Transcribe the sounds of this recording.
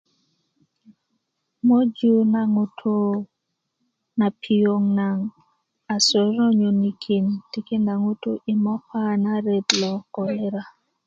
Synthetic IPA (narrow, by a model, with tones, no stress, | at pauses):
mo˦d͡ʒu˦na˨ŋu˦tʰu˦ | na˨pʰi˨jo˨ŋna˨ŋ | a˨sɔ˨ɾnɔ˦ɲo˨ni˦kʰi˨nti˦ki˦nda˨ŋu˦tu˦ʔi˨mɔ˦pa˦na˦ɾe˨t̪lɔ˨kɔ˨le˦ɾa˨